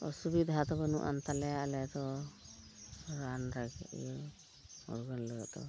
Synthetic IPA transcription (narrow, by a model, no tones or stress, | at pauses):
ɔ̰subid̪ʱɦat̪ɔbɔnuʔa̰nt̪alɛjaʔlɛt̪ɔ | ɾanɾaɡɛ̰ʔj | ɔ̰ɾɡɔnləɡɔʔt̪ɔ̰